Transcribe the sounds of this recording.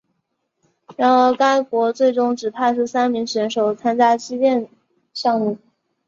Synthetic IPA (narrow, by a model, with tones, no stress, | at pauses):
ɻa˧˥nɤ˧˥ka˥ɪkwɔ˧˥t͡swe˥˩ɪʈ͡ʂʊ˥ŋʈ͡ʂɻ̩˨˩pʰa˥˧ɪʂ̬ɻ̩˥˩sa˥nmi˧˥ŋɕɛ˧˥nʂo˨˩ʊt͡sʰa˥nt͡ɕja˥t͡ɕi˥tjɛ˥˧n | ɕjɑ˥˧ŋmu˥˩